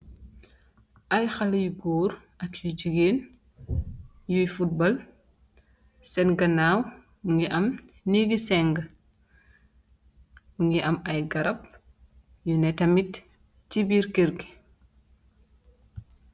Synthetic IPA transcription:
ʔɐjxɐljuɡɔːɾ | ʔɐkjud͡ʒiɡeːn | jujfut̚bɐl | sɛnɡɐnaːw | uŋɡiʔɐm | niɡisɛŋɡ | buŋɡiʔɐmɐjɡɐɾɐp̚ | junɛtɐmitː | ibiːɾkeɾɡi

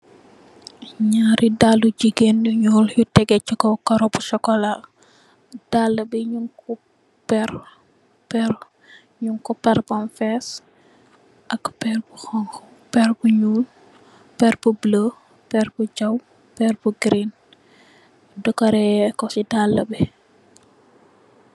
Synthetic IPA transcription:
ɲaːɾidalːud͡ʒiɡenduɲɔːljutɛɡɛt͡ʃːukɔkɐɾɔbusɔkɔla | d̥alːəbiɲuŋku | pɛɾ | pɛɾ | ɲuŋkɔpɛɾbɔnfɛs | ʔɐkpɛrbuxɔŋkɔ | pɛrbuɲuːl | pɛɾbublə | pɛrbud͡ʒɐw | pɛrbuɡɾin | dɔkɐɾɛkɔsidalːəbɛ

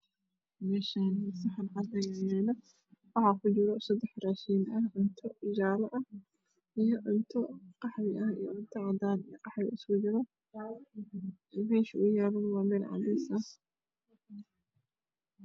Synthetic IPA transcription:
mɛːʃaːnmɐsɐħɑnʕɑd̪ɐjajɛːnɐ | wɑħɑːkʰʊt͡ʃɪɾɔsɐd̪ɛħraːʃiːnʔɐʕʊnt̪ʰɔɪd͡ʒaːlɐʔɐh | ʔijɔʕʊnt̪ʰɔqɑħwɪʔɐhijɔʕʊnt̪ʰɐʕɑd̪aːnijɔqɑħɪʔɪsɡʊd͡ʒɪɾɔ | mɛːʃʊʊjaːβɐnwɑːmɛːlʕɑ̰d̪ɛsɐ

